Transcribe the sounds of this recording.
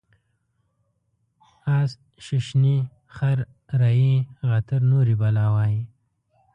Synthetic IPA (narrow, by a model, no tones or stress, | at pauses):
as | ʃɪʃni | χaɾ | ɾajiɣat̪əɾnoɾibalɑːwɑːji